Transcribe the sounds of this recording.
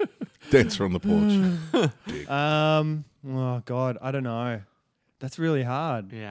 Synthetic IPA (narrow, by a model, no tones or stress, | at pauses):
d̥æ̃nsəɹə̃n̩ðəpʰɔɹt͡ʃd̥ɪ̰ʌ̃m | oɡɑdaɪɾõʊ̃nːoʊ | ðætsɹɪlˠiɦɑɹd̥̚j